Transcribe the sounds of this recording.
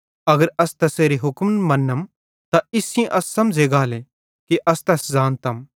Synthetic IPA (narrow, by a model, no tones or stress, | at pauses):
ɐɡəɾɐst̪ɐseːɾiɦʊkmnmɐnːəm | t̪aɪsɪ̃ẽʔɐsːɐmd͡ʒeːɡaːle | kiʔɐst̪ɐszãːnt̪ɐm